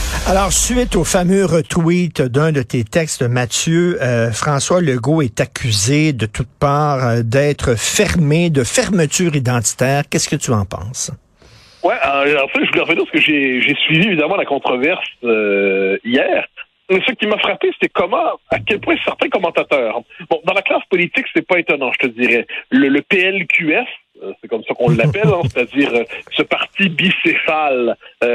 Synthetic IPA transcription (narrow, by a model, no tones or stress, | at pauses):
alɔːʁsɥɪt̪ofamøʁət̪wit̪d̪œ̃d̪ət̪et̪ɛkst̪əmat̪jøəfχɑ̃swaləɡoɛt̪akʲʰyzed̪ət̪ʰut̪̚paːʁd̪ɛːt̪χəfɛʁmed̪əfɛʁmət̪yːʁid̪ɑ̃t̪i̥t̪ɛːʁkʲɛskət̪yɑ̃pɑ̰̃ːs | wɛɑ̃ɑ̃fɛʒəvulɛʁvɛnipsə̥kəʒeʒesɥivievid̪amɑ̃lakɔ̃t̪χɔvɛʁsøijɛːʁ | mɛsəkʲimafχapeseɛkɔmɑ̃akʲɛlpwɛ̃sɛʁt̪ɛ̃kɔmɑ̃t̪at̪œːʁbɔ̃d̪ɑ̃laklaspɔlit̪iksɛpaet̪ɔnɑ̃ʒət̪əd̪iʁɛlələpeɛlkʲʰyɛs | sɛkɔmsakɔ̃lːapɛlɛ̃se̥t̪ad̪iːʁøsəpaʁt̪ibisefalø